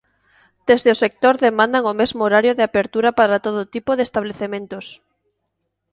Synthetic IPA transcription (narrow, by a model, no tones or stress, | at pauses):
d̪̥ezðeosek̚t̪oɾðemãnd̪aŋomezmooɾaɾjoðɪapeɾt̪uɾapaɾat̪oðot̪ipoðest̪aβleθemẽnt̪os